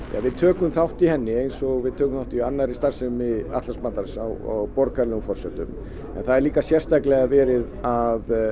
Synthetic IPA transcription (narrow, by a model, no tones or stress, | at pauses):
ja̰vɪðt̪ʰœːkʏmθawht̪ihɛnːɪejnsɔɣvɪðt̪ʰœːkʏmθawht̪iianːaɾist̪ar̥sɛmɪa̰ht̪lasmant̪aɾsawɔ̰ɣpɔɾkʰaɾlɛɣʏmfɔr̥sɛt̪ʏm | ɛ̰nθaðɛɾliːkasjɛr̥st̪ajklɛɣavɛːɾɪðað